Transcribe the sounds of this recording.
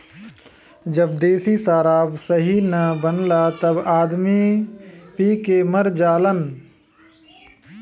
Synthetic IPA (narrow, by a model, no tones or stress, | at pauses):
d͡ʒəbd̪eːsisaːɾaːʋsəɦinɐbənlat̪ɐbaːd̪mi | piːkeməɾd͡ʒaːlən